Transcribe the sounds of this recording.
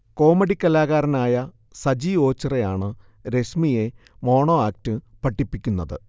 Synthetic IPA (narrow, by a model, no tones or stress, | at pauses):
ko̞ːmɐɽikʲːɐlaːɣaːɾɐnaːjɐ | sɐd͡ʑio̞ːt͡ɕːɐrejaːɳɨ | ɾe̞smije̞ | mo̞ːɳo̞ːaːk̚tɨpɐʈːipːikʲːunːɐðɨ̰